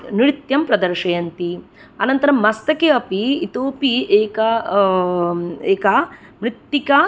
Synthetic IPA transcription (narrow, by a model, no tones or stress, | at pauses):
niɾit̪jɐmpɾɐd̪ɐɾʂɐjɐnt̪i | ɐnɐnt̪ɐɾɐmmːɐst̪ɐkeɐpiit̪oːpieːkɐ | eːkɐ | mɾit̪ːikɐ